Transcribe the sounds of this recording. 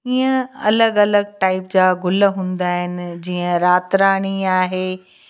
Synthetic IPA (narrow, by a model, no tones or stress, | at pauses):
iːə̃ɐ̰ləɡɐləɡ̚ʈaːɪpd͡ʑaːɡʊlɦũːnd̪aːɦɪnɪ̆d͡ʑiːə̃ɾaːt̪ɾaːɽ̃iaːɦeː